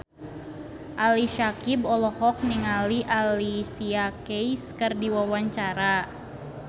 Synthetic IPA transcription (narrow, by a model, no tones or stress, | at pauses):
ʔaliʃakibɔlɔhɔk̚niŋaliʔalisiakejskərdiwawaɲt͡ʃaɾa